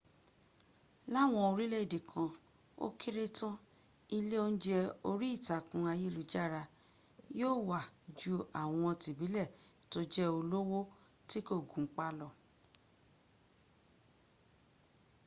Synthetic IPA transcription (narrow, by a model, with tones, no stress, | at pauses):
la˦˨w̃ɔ̃˧o˧ɾi˦lɛ˦˨de˨kʰã˧ | o̰˦kʰi˦ɾe˦tã˦ | i˧le˦o˦˧n̩˦d͡ʒɛ˧o˧ɾi˦i˦˨ta˨kũ˧a˧je˦˨lu˨d͡ʒa˦˨ɾa˧ | joː˦˨wa˨d͡ʒu˧a˨w̃ɔ̃˧ti˨bi˨˦lɛ˦˨to˦d͡ʒɛ˦o˧lo˦wo˦ | ti˦ko˦˨ɡũ˨˦k͡pa˦lɔ˦˨